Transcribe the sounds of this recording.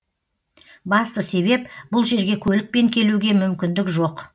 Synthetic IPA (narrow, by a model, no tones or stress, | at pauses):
bɑst̪əse̞βe̞p̚bʊlˠʒe̞ɾɡʲe̞kʲʰɵlɪk̚pe̞ŋkʲʰe̞luɡʲe̞mʏmkʲɪnd̪ɪkʒo̞q